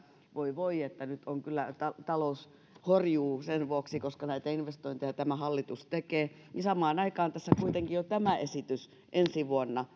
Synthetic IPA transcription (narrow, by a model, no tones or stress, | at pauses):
ʋoiʋoiet̪ːænyt̪oŋkylːæt̪ɑt̪ɑlous | horjuːsenʋuoksikoskɑnæit̪æinʋest̪oint̪ejɑt̪æmæhɑlːit̪ust̪ekeː | nisɑmɑːnɑikɑːnt̪æsːækuit̪eŋkijot̪æmæʔesit̪ys | ʔensiʋuonːɑ